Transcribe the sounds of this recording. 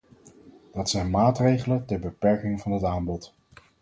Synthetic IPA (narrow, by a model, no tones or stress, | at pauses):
d̥ɑtsɛjnmaːtrejχələtɛɹbəpɛɹkɪŋvɑnɦətaːmbɔt